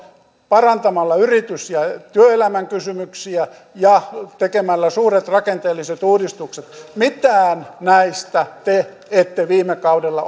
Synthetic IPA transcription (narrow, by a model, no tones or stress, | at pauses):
pɑrɑnt̪ɑmɑlːɑyrit̪ysjɑt̪yøelæmæŋkysymyksiæ | jɑt̪ekemælːæsuːret̪rɑkent̪eːlːiset̪uːdist̪ukset̪mit̪æːnnæist̪æt̪e | et̪ːeʋiːmekɑudelːɑ